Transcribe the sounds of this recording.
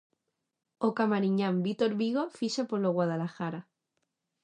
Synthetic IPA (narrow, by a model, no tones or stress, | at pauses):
okamaɾiɲãmbit̪oɾβiɣ̞o̞fiʃapoloɣwað̞alaxaɾa